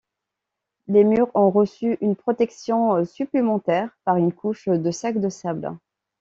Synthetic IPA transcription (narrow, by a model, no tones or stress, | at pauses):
lemyʁɔ̃ʁəsyʔynpχɔt̪ɛksjɔ̃syplemɑ̃t̪ɛʁpaʁynkʰuʃd̪əsakd̪əsabl̰